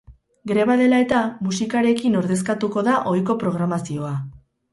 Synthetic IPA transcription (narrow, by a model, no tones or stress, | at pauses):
ɡɾeβaðe̞lae̞t̪amusikaɾe̞kino̞ɾðe̞skat̪uko̞ðaʔo̞jko̞pɾo̞ɣ̞ɾamasio̞a